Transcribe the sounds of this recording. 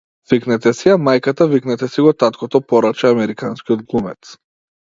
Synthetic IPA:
viknɛt̪ɛsiamajkat̪aviknɛt̪ɛsiɡɔt̪at̪kʰɔt̪ɔpɔɾat͡ʃɛamɛɾikanskiɔd̪̚ɡlˠumɛ̰t̪s

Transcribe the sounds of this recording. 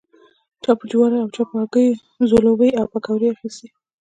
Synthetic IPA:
t͡ʃɑpəd͡ʒwaɾaawt͡ʃɑpakəj | zolobəjawpakawɾiaxist̪e

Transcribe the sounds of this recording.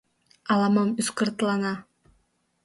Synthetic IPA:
ɑlˠɑmɑmysqɯɾt̪lˠɑnɑ

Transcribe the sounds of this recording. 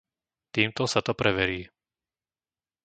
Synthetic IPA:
t̪iːmt̪ɔsat̪ɔpɾʔɛʋɛɾiː

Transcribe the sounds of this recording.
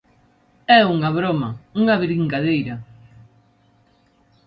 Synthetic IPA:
ɛuŋɐβɾomɐuŋɐβɾiŋkaðejɾɐ

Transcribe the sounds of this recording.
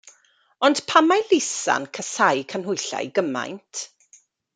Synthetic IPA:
ɔnd̥pʰamajlɪsa̰nkʰəsajkʰənɦʊjɬa̰jɡəma̰jntʰ

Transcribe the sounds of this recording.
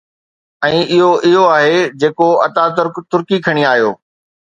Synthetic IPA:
ɛ̃ːʔɪɦoʔɪɦoaːɦed͡ʑeːkoɐt̪at̪ʊɾkt̪ʊɾkikʰɐɽ̃iaːɦjo̰ː

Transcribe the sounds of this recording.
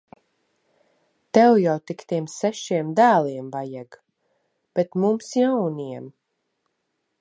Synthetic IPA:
t̪ɛwjawt̪ikt̪iɛmsɛʃiɛmd̪æːlˠiɛmvajaɡ | b̥et̪mumsjawniɛm

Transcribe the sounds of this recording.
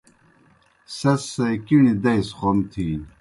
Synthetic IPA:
sɐsːɐjkiɳid̪ɐjsχomt̪ʰiːn

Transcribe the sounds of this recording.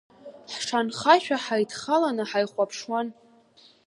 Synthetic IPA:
ħʂanχaʃᶣaħajtʰχalanɨħajχʷapʰʂwan

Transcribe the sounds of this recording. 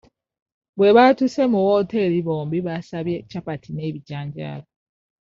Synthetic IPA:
βwe̞βatuse̞muwoːte̞ɾiβoːmbiβasaβjecapatʰine̞ːβiɟaːɲɟa̰lo

